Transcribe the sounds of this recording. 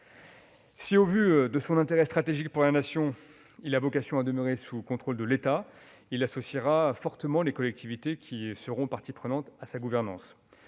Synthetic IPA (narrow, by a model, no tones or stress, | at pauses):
siovyd̪əsɔ̃nɛ̃t̪eʁɛst̪χat̪eʒikpuʁlanasjɔ̃ | ilavɔkasjɔ̃ad̪əmøʁesukɔ̃t̪χold̪əlet̪a | ilasɔsiʁafɔʁt̪əmɑ̃lekɔlɛk̚t̪ʰivit̪ekʲʰisəʁɔ̃paʁt̪ipχənɑ̃t̪asaɡuvɛʁnɑ̃s